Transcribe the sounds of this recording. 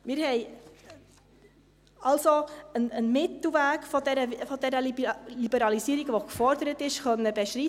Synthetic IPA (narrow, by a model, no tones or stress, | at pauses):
mɪɾhɛj | ɑlsoənənmɪt̪l̩ʋæːɡfɔdɛɾəfɔd̪ɛɾəlilibəɾɑlisiəɾiɡʋokfɔɾd̪əɾət̪ɪʃχœnːəbɛʃri